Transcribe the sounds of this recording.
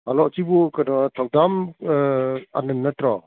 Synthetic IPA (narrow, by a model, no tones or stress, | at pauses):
alɔtibɔkanɔtʰawdam | a̰nɯnnːatɾɔ